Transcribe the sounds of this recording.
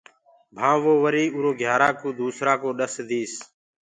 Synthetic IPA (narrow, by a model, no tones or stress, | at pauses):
bʱãːʋoːʋəɾiːuːɾoːɡʱjaːɾaːkoːd̪uːsɾaːkoːɗəsd̪iːs